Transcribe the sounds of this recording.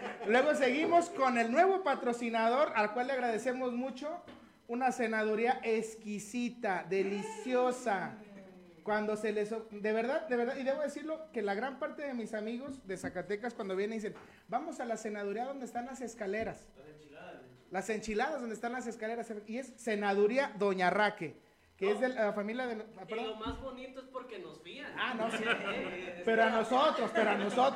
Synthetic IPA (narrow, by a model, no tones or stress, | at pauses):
lwe̞ɣo̞s̬e̞ɣimo̞sko̞ne̞lnwe̞βo̞pat̪ɾo̞sinað̞o̞ɾalkwalːe̞aɣɾað̞e̞se̞mo̞zmut͡ʃo̞ | unase̞naðuɾiaʔeskisit̪aðe̞lisjosa | kwand̪o̞se̞le̞sod̪e̞βe̞ɾðaðd̪eβeɾðaðiðe̞βo̞ðe̞siɾlo̞ke̞laɣɾampaɾt̪e̞ðe̞misamiɣo̞zðesakat̪e̞kaskwand̪oβjend̪isen | bamo̞salase̞nað̞uɾiaðo̞nd̪est̪anlase̞skale̞ɾas | lase̞nt͡ʃilaðazðonest̪anlas̬e̞skale̞ɾaseie̞sːe̞naðuɾiaðo̞ɲarake̞ | keezðeafamiljaðelopeɾðlomazβonit̪oespoɾkenozfiaanosi | pe̞ɾoano̞so̞t̪ɾo̞spe̞ɾoanosot̪